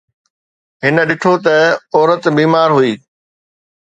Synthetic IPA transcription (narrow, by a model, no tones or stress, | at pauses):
ɦɪnə̆ɗɪʈ̪ʰot̪ɐɔːɾət̪biːmaːɾɦuiː